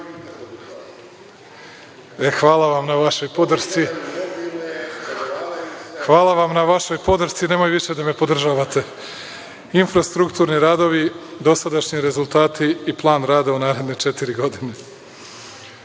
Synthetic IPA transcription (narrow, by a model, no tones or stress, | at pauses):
exʋaːlˠaʋamnaʋaʃo̞jpo̞d̪r̩t̪si | xʋaːlˠaʋamnaʋaʃo̞jpo̞d̪r̩t̪sine̞ːmo̞jʋiʃed̪ame̞po̞d̪r̩ʒaːʋat̪e̞ | infɾast̪ɾukt̪uːɾniɾaːd̪o̞ʋid̪o̞sad̪aʃɲiɾe̞zulˠt̪aːt̪iːplˠaːnɾaːd̪aunaːɾe̞d̪ne̞t͡ʃe̞t̪iɾiɡo̞d̪ine̞